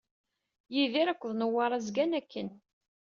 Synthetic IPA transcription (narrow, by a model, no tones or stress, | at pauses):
jiðiɾækʷːəðˤnəwɑɾˤazɡænækːən